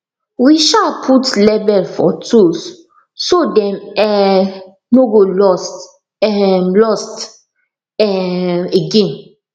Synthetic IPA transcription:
wiʃalpʰutlɛbɛlfɔ̰tʰus | sodɛ̃mɛ | noɡolɔst | ɛmlɔst | ɛeɡẽn

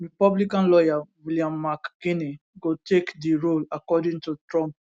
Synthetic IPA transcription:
ɹipɔblikãnlɔjawiliãmːakːini | ɡotekdiɹolakɔdĩŋtutɹɔ̃mp̚

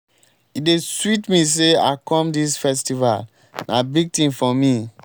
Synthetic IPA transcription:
ideswitmis̬ea̰kɔ̃mdisfɛstival | nʔabiɡ̚tĩmfɔmi

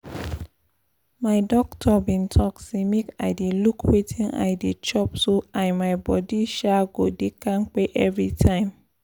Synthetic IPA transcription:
maɪdɔktʰɔbĩntʰɔksemeka̰ɪdelukʰwetʰĩna̰jdet͡ʃɔpsoãɪmaɪbɔdiʃaɡodekãnk͡peʔɛvɹitʰãɪ̃m

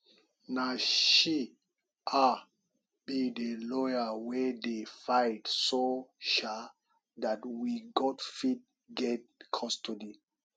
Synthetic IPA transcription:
naʃi | ʔa | bidelɔjawɛdefajtsoʃa | datwiɡɔtfid̚ | ɡɛt̚kʰɔstɔdi

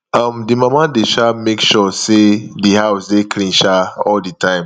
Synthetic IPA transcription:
ãmdimamadeʃamekʃɔsedihaʊsdekʰlĩnʃaɔlditʰãɪ̃m

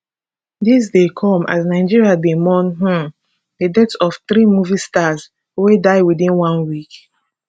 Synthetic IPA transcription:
dis̬dekʰɔ̃ma̰snaɪd͡ʒiɹiabĩmɔ̃nɦũ | ðedɛtɔfθɾimuvistaz | wedaɪwidĩnwãnwik

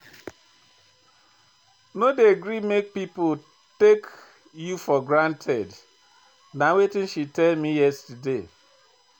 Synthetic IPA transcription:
nodeɡɾimek̚pipo | tek | jufɔɡɾãntʰɛd | nawetĩnʃitɛlmijɛstude

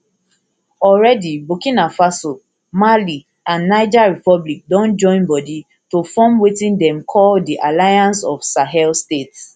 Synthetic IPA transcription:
ɔlɹɛdibokĩnafaso | mali | ãnːaɪd͡ʒaɹipɔblik̚dɔ̃nd͡ʒɔ̃ɪ̃nbɔdi | tofɔ̃mwetĩndɛ̃mkʰɔldiʔalajãnsɔfsaɦɛlstets

